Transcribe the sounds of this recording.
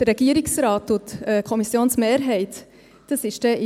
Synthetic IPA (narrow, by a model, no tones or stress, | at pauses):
d̥əɾɛɡ̥iəɾɪksɾɑːtːutɛkʰɔmisjoːnsmeːɾɦɛɪt | d̥ɑsɪʃd̥ɛ